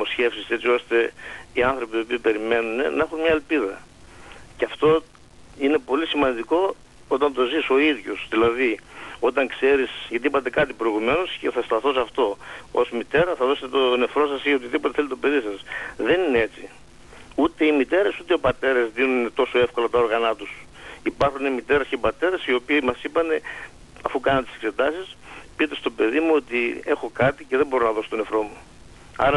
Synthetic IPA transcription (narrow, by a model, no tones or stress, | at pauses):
mo̞sçe̞fsiset͡sio̞st̪e̞iɐnθɾopio̞piːpe̞ɾime̞nune̞nɐe̞xunmɲɐelpiðɐ̰ | ceɐft̪o̞ | ine̞po̞lisimɐnd̪iko̞ | ot̪ɐnt̪o̞ziso̞iðʝo̞sðilɐðio̞t̪ɐŋkse̞ɾisʝɐt̪iipɐt̪ekɐt̪ipɾo̞iɣume̞nosce̞θɐst̪ɐθo̞sɐft̪o̞o̞zmit̪e̞ɾɐθɐðo̞set̪et̪one̞fɾo̞sɐsieot̪iðipo̞t̪eθelit̪o̞pe̞ðisɐsðe̞ninee̞t͡ssi | ut̪e̞imit̪e̞ɾɐsut̪eopɐt̪e̞ɾɐzðinunnet̪o̞so̞e̞fko̞lɐt̪ɐo̞ɾɣɐnɐt̪us | ipɐɾxunemit̪e̞ɾɐsceipɐt̪e̞ɾɐsio̞pimɐsipɐne̞ | ɐfukɐnɐnt̪i̥sekse̞t̪ɐsispit̪e̞st̪o̞pe̞ðimuo̞t̪ie̞xo̞kɐt̪ice̞ðebo̞ɾonɐðoso̥t̪o̞ne̞fɾo̞mu | ɐ̰ɾɐ